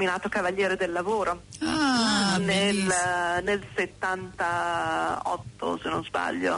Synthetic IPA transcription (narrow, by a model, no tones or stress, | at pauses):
minaːt̪okavaʎːjɛːɾed̪elːavoːɾoanelnelset̪ːant̪a | ɔ̰t̪ːo̰senːonzba̰ʎːo̰